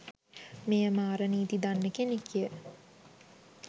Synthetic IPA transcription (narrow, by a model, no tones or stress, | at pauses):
mejəmaːɾəniːt̪id̪anːəkenekijə